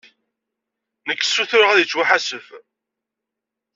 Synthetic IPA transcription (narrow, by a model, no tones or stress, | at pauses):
nəkːə̥sːuθʊɾəʁæðjət͡sːwaħasəf